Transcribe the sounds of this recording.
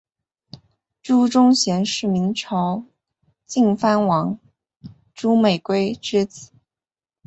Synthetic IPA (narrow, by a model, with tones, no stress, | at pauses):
ʈ͡ʂu˥ʈ͡ʂʊ˥ŋɕjɛ˧˥nʂɻ̩˥˩mi˧˥ŋʈ͡ʂʰɑ˧˥ʊ | t͡ɕi˥˩ŋfa˥nwɑ˧˥ŋ | ʈ͡ʂu˥me˨˩ɪkwe˥ɪʈ͡ʂɻ̩˥t͡s̩˨˩˦